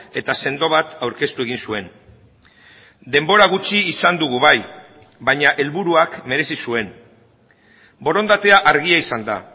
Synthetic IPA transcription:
e̞t̪ase̞nd̪o̞βat̪awɾke̞st̪ue̞ɣ̞insue̞n | d̪e̞mbo̞ɾaɣ̞ut͡ʃiːsand̪uɣ̞uβaj | βaɲaʔe̞lβuɾuakme̞ɾe̞sisue̞n | bo̞ɾo̞nd̪at̪e̞aʔaɾɣ̞iaisand̪a̰

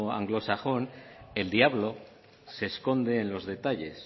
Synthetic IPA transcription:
a̰ŋɡlo̞saxo̞ne̞ld̪iaβlo̞ | se̞sko̞nd̪e̞ːnlo̞zðe̞t̪aʎe̞s

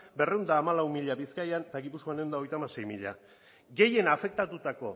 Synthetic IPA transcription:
be̞re̞wnd̪aːmalawmiʎaβiskajant̪aɣipusko̞anewnd̪aojt̪amase̞jmiʎa̰ | ɡe̞je̞nafe̞k̚t̪at̪ut̪ako̞

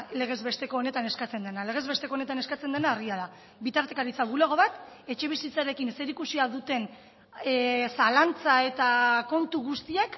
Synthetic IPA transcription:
le̞ɣ̞e̞zβe̞st̪e̞ko̞ːne̞t̪ane̞skat͡se̞nd̪e̞nale̞ɣe̞zβe̞st̪e̞kone̞t̪ane̞skat͡se̞nd̪e̞naːriaða | bit̪aɾt̪ekaɾit͡saβuleɣ̞o̞βat̪ | e̞t͡ʃe̞β̞isit͡saɾe̞kinese̞ɾikusiaðut̪e̞n | salant͡sae̞t̪ako̞nt̪uɣust̪iak

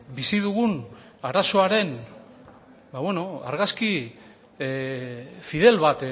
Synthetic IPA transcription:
bisiðuɣun | aɾaso̞aɾe̞n | bawe̞no̞a̰ɾɣaski | fiðe̞lβat̪

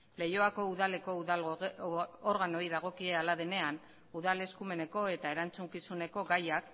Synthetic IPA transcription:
le̞jo̞ako̞uðale̞ko̞ | oɾɣano̞iðaɣ̞o̞kie̞alaðe̞ne̞an | uðale̞skume̞ne̞ko̞e̞t̪ae̞ɾant͡suŋkisune̞ko̞ɡajak

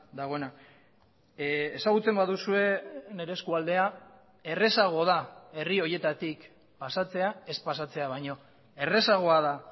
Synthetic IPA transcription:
d̪aɣ̞o̞ena | esaɣut͡se̞mbaðusue̞ne̞ɾeskuald̪e̞a | e̞re̞saɣ̞o̞ð̞ae̞rio̞je̞t̪at̪ik | pasat͡se̞ae̞spasat͡se̞aβajɲo̞ | e̞re̞saɣ̞o̞aða

